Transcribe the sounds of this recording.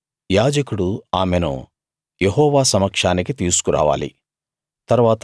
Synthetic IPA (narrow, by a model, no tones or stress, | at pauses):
jaːd͡ʒɐkuɽuaːmenṵ | jeɦɔːʋaːsɐmɐkʂaːnikit̪iːsu̥kuɾa̰ːʋa̰ːlḭ | t̪ɐɾʋaːt̪